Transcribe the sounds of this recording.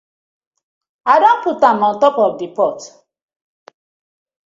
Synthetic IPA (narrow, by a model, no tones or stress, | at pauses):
adɔm̩putamɔn̩tɔpɔfdipɔt